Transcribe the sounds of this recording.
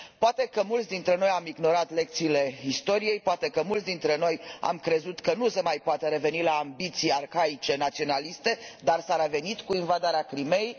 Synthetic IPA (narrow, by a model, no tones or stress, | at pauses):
poat̪e̞kəmult̪sd̪int̪ɾe̞no̞jamiɡno̞ɾat̪le̞k̚t̪siːle̞ist̪o̞ɾije̞jpoat̪e̞kəmult̪ʲd̪int̪ɾe̞no̞ja̰mkɾe̞zut̪kənusemajpoat̪əɾe̞ve̞nilaːmbit̪sijarxait͡ʃe̞nat̪sio̞nalist̪e̞d̪arsaɾeve̞nit̪kuinvad̪aɾeakɾime̞j